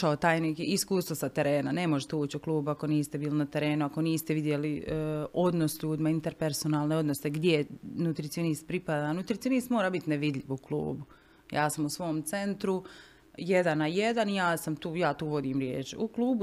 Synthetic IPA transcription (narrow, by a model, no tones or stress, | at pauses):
aot̪aːjnikiiskuːst̪ʋosat̪eɾeːnane̞moʒet̪euːt͡ɕuklˠuːbuako̞niːst̪ebiːlinat̪e̞ɾeːnuako̞niːst̪eʋid̪je̞lio̞d̪no̞sʎuːd̪imaint̪eɾpeɾso̞naːlˠneo̞d̪no̞seɡd̪jenut̪ɾit̪sionist̪̚pɾipad̪anut̪ɾit̪sionist̪moːɾaːbit̪neʋid̪ʎʲiʋuklˠṵːbu | jaːsamusʋo̞ːmt̪se̞nt̪ɾu | jed̪anajed̪anijaːsamt̪uːjaːt̪uːʋo̞d̪iːmɾjḛːt͡ʃuklˠuːbu